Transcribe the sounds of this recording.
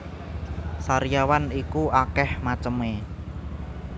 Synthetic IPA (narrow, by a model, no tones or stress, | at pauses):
saɾijawanikuʔakɛhmat͡ʃəme